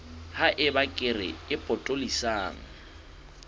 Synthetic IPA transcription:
haʔɪbakʼɪrɪ̰ɪpʼɔtʼolisaːŋ̩

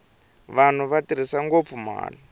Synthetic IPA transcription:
βan̤uβatiɾ̤isaŋɡop̪fuma̰ːli

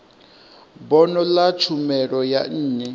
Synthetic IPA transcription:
bɔnɔlat͡ʃʰumɛɺɔja̰n̩ːɲɛ

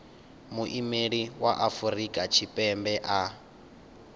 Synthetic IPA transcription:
muʔimeɺiwaʔafurikʼat͡ʃʰipʼɛmbɛʔa

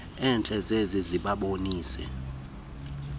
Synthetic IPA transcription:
ɛnt͡ɬʼɛzeziziɓaɓoniːsɛ̰

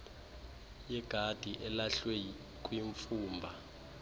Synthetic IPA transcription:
jɛɡ̥ʱad̥ʱiʔɛlaɬwe | kʼwiɱfuːmbʱa

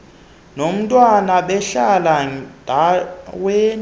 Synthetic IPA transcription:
nom̩tʼwanaɓɛɬalad̥ʱaweːn

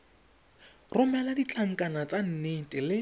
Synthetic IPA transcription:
rʊmɛladit͡ɬʰʼaŋ̩kʼanat͡san̩netʼɪlɪ

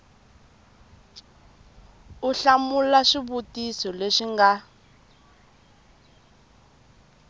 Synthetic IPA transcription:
uɬamulaʃiβutisɔleʃiŋɡa

